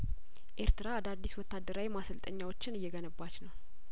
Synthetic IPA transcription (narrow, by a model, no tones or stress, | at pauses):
ʔe̞ɾt̪ɨɾad̪ad̪ːiswɔt̪ːad̪ːəɾawimasəlt̪ʼəɲːawot͡ʃːɪnɨjːɛɡənəbːat͡ʃːnəw